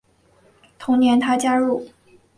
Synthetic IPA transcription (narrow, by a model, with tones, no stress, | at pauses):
t̪ʰʊ˧˥ŋnjɛ˧˥nt̪ʰa˥t͡ɕja˥ɻu˥˩